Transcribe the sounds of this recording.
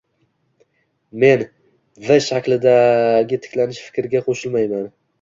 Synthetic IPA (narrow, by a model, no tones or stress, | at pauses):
me̞n | vɪʃakʲlɪd̪aɡʲɪt̪ʰɪ̥kʲlanɪʃfɪ̥kʲɾɪɡʲaqʰoʃɪlmajman